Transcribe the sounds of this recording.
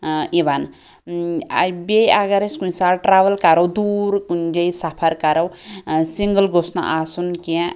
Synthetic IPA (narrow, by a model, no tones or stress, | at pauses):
iban | jbejaɡɐɾeskũnsaʈɾaʋɐlkaɾɐwd̪uɾkund͡ʒejsapʰɐɾkaɾɐwsiŋɡəlɡosna̰ʔasunkĩ